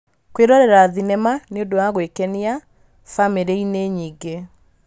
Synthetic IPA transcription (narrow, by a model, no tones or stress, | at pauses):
kweɾɔɾɛɾaðinɛmaneodowaɣwekɛnia | fameɾeineɲiːɡe